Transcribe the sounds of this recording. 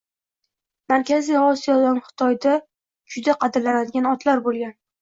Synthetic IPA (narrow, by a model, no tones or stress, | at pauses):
maɾkʲʰazijɒsijɒd̪anχɨ̥t̪ʰɒjd̪a | d͡ʒʊd̪aqʰɑd̪ɪɾlanad̪ɪɡʲanɒt̪ʰlaɾbolˠɡʲan